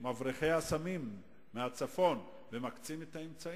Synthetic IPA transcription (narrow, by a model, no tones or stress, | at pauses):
mavʁiχe̞jasamimː | eat͡safo̞n | vemakt͡simet̪haemt͡sa